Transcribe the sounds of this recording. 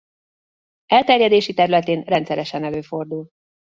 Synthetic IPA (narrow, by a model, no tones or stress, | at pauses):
ɛlt̪ɛrjɛd̪eːʃit̪ɛɾylɛt̪eːnrɛnt̪sɛɾɛʃɛnɛløːfo̞rd̪ul